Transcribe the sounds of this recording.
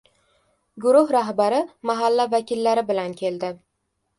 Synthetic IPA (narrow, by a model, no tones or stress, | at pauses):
ɡʊɾʊhɾaɦbaɾɪmaɦalːavakʲɪlːaɾɪbɪlankʲʰe̞ld̪ɪ